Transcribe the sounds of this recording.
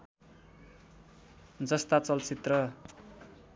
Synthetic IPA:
d͡zʌst̪at͡sʌlt͡sit̪rʌ

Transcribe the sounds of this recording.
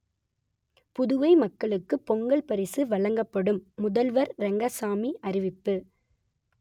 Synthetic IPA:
pʊðʊʋɐɪmɐkːɐɭɯkːɯpːɔŋɡɐɭpɐɾɪsɯʋɐɭɐŋɡɐpːɐɽɯmːʊðɐlʋɐɾɾɛŋɡɐsaːmiʔɐɾɪʋɪpːɯ

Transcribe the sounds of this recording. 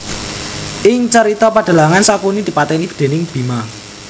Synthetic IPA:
ʔɪŋt͡ʃəɾit̪ɔpad̥ə̤laŋansakunid̪̥i̤pat̪ɛnib̥ə̥d̪̥e̤nɪŋb̥i̤ma

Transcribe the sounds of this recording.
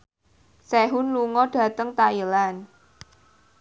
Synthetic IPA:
sɛɦʊnluŋɔɖ̥ä̤t̪əŋt̪ailan

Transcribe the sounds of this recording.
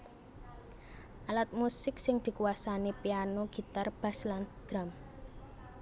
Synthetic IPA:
ʔalat̪̚musɪksɪŋd̪̥i̤kuasanipianoɡ̥i̤t̪arb̥a̤sland̪̥ɾam

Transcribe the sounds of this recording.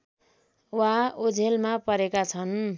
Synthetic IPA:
waod͡zʱelmapʌɾekat͡sʰʌn

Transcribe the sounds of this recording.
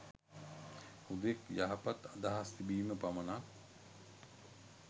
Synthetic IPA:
hud̪ekjaɦapat̪ad̪aɦast̪ibiːməpaməna

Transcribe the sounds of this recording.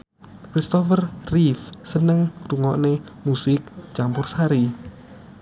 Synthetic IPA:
kɾist̪ɔfərrifsənəŋruŋɔʔnemusɪk̚t͡ʃampʊrsaɾi

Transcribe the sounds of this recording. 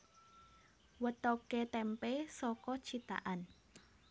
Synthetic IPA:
wət̪ɔket̪ɛmpesɔkɔt͡ʃit̪a̰ʔan

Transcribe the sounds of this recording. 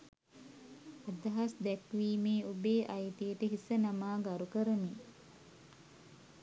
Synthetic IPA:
ad̪ɐɦasd̪ækʋiːmeːubeːʔajt̪ijəʈəɦisənamaːɡaɾukəɾəni

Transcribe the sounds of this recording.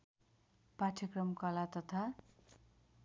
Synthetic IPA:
paʈʰjʌkrʌmkʌlat̪ʌt̪ʰa

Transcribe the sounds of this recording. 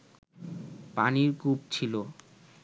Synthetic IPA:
paniɾkupt͡ɕʰilo

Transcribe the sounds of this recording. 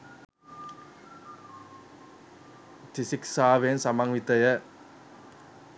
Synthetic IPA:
t̪isiksaːʋensamaŋʋit̪ɐjɐ

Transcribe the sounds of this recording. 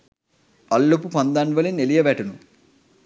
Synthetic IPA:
ɐlːopupɐnd̪aːnʋɐlinelijɐʋaːʈunu

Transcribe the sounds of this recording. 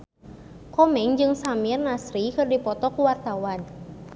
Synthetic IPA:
kɔmɛŋd͡ʒɨŋsamirnasɾikɨrdipɔt̪ɔkuwart̪awan

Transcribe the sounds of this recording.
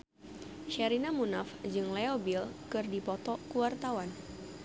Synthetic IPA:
ʃaɾinamunafd͡ʒɨŋleobilkɨrdipɔt̪ɔkuwart̪awan

